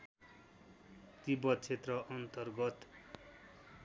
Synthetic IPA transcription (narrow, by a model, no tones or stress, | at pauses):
t̪ibʌd̪̚t͡sʰet̪rʌʔʌnt̪ʌrɡʌt̪